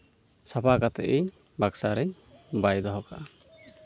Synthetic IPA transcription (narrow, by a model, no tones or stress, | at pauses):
sapakat̪ɛ̰ʔiɲ | baksaɾɛɲ | bajd̪ɔɦɔkaʔ